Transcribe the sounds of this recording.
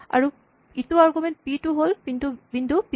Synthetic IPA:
a̰ɹu | ituaɹɡument̚piʈuɦolkint̪ubind̪upi

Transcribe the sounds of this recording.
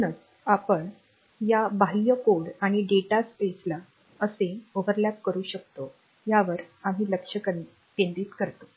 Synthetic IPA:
nət͡s | apəɳ | jabaɦijəkoɽaɽ̃iɖeʈaspesla | əseəʋəɾljat̪̚kəɾuːɕək̚t̪o | jaʋəɾam̤iləkʂəkə | pend̪iːt̪kəɾt̪o̥

